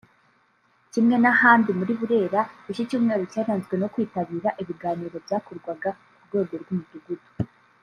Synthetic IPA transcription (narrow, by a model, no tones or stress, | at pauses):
cimŋe̞nahaːndimuɾiβuɾe̞ːɾaiʃicuːmŋe̞ːɾocaːɾaːnzɡwe̞no̞kwiːtaβiːɾaʔiβiɡaːniːɾo̞bjaːkoɾɡwaɡa | kuɾɡwe̞ːɡo̞ɾɡumuduɡudu̥